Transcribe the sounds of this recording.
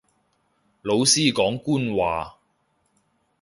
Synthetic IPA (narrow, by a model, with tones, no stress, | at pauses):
lo˨˧wsiː˥kɔː˨˥ŋkuː˥nwaː˨